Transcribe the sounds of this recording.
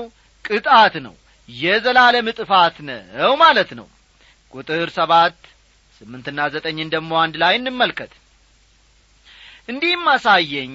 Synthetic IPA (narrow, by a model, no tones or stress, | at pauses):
w | kʼɨt̪ʼat̪nə̰w | jɛzəlaləmɨt̪ʼɨfat̪nə̰wmalət̪nə̰w | kʼut̪ʼɨɾsəβat̪ː | sɨmːɨnt̪ɨnːazət̪ʼəɲːɨnd̪əɡmo̞and̪lajɨnːɨmːəlkʰət̪ | ʔɨnd̪ihmːasajːɛɲː